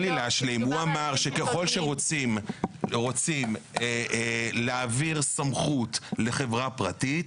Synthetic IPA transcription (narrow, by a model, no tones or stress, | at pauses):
lileaʃlimhuamaʁʃe̞ke̞χo̞lʃeʁot͡simʁo̞t͡simeleaviʁsamχut̪le̞χe̞vʁapʁatit